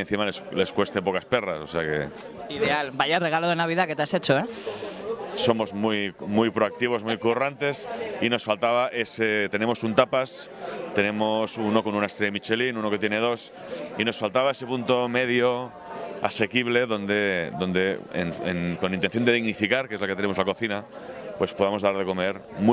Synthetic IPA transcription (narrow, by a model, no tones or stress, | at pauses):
en̟θimalesle̞skwe̞st̪epo̞kasperasoseake̞̰ | iðealbajareɣ̞aloð̞enaβ̞iðaket̪easet͡ʃoe | so̞mo̞zmujmujpɾoak̚t̪iβo̞zmujkurant̪e̞sino̞sfalt̪aβaʔe̞set̪e̞nemo̞sunt̪apas | t̪e̞nẽ̞mosuno̞ko̞nunaest̪ɾejamit͡ʃelinuno̞ket̪jene̞ð̞o̞s | ino̞sfalt̪aβae̞se̞punt̪omeðjo | a̰se̞kiβle̞ðo̞nd̪eðo̞nd̪e̞ḛnḛnko̞nint̪enθjond̪e̞ðiɣnifikaɾkee̞zlaket̪enemo̞zlako̞θina | pwe̞spoðamozðaɾðe̞ko̞meɾm